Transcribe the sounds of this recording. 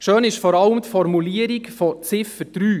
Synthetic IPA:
ʃøːnɪʃfɔɾɑləmt̪fɔɾmuliəɾikfɔt͡sɪfəɾtɾyː

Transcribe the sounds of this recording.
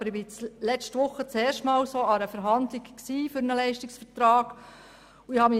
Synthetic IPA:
bəɾɪbɪt͡slɛt͡ʃtʋʊχːət͡sɛːrʃtmɑːwsoɑɾəfəɾɦɑnd̪lɪkksiːfʏɾnəlɛɪʃtɪksfəɾtɾɑːɡ̥ | uɪhɑmi

